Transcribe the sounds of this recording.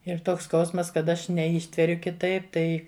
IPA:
ɪr ˈtoːks ˈskɐʊsmɐs kɐt ˈɐʃ nʲɛˈiːʃʲtʲʋʲɛrʲʊ kʲɪˈtɐɪp ˈtɐɪ

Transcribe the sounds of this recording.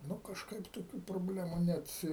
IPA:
ˈnʊ kɐʃˈkɐɪp toːˈkʲuː proːbʲˈlʲæːmʊ ˈnʲɛt

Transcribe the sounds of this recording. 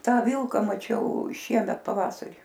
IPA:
ˈtɑː ˈʋʲɪlˠkɐ mɐˈt͡ʃʲɛʊ ˈʃʲiɛmʲɛt pɐˈʋɑːsɐrʲiː

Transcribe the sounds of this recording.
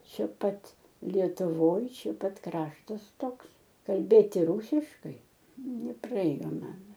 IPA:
ˈt͡ʃʲɛ ˈpɐt lʲiɛtʊˈʋoːj ˈt͡ʃʲɛ ˈpɐt ˈkrɑːʃtɐs ˈtoːks kɐlʲˈbʲeːtʲɪ ˈruːsʲɪʃkɐɪ nʲɛprɐˈeːjoː ˈmɐn

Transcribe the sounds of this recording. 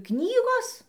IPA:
ˈknʲiːɡoːs

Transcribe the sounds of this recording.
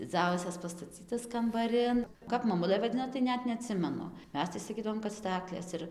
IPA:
d͡zʲɪˈd͡zɐʊsʲɛs pɐstɐˈt͡sʲiːtɐs kɐmbɐˈrʲɪn ˈkɐp mɐˈmʊlˠɘ ʋɐˈdʲɪnoː tɐɪ ˈnʲɛt nʲɛɐˈtʲsʲɪmʲɛnʊ ˈmʲɛs tɐɪ sɐˈkʲiːdɐʋoːm kɐt ˈstɑːklʲeːs ɪr

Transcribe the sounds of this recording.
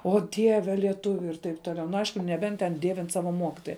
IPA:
oː ˈdʲiɛʋʲɛ lʲiɛˈtʊʋʲʊ ɪr tɐɪp ˈtoːˌlʲɛʊ nʊ ˈɐɪʃkʊ nʲɛˈbʲɛnt tʲɛn ˈdʲiɛʋʲɪn ˈsɑːʋɐ ˈmoːkʲɪtoːjɛ

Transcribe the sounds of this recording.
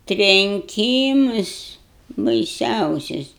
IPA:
tʲrʲɛŋʲˈkʲiːmʊs bɐɪˈsʲɛʊsʲʊs

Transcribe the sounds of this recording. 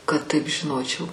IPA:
kɐt ˈtɐɪp ʒʲɪˈnoːt͡ʃʲɛʊ

